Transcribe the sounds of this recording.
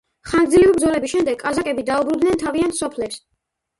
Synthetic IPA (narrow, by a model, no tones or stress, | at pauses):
χanɡd̪zilɛvibɾd̪zɔlɛbisʃɛmd̪ɛɡʼazakʼɛbid̪aubɾud̪nɛnt̪ʰaviant̪ʰsɔpʰlɛps